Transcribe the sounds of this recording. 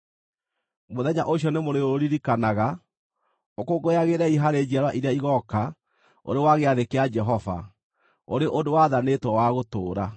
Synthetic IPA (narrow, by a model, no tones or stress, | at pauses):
moðɛɲa̰ʔoɕjɔnemoɾeoɾiɾikanaɣa | okoɡojaɣeɾɛiɦaɾed͡ʑiaɾwaʔiɾeaiɣɔka | o̰ɾewaɣeaðekead͡ʒɛɦɔva̰ | o̰ɾeʔodowaðanetwɔwaɣotoːɾa